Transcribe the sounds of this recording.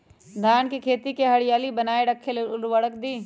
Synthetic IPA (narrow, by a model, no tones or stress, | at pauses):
d̪ʱaːnkikʰeːt̪ikeɦɐɽɪjaːlibɐnaːeɽɐkʰːelelʋəɽəkd̪iː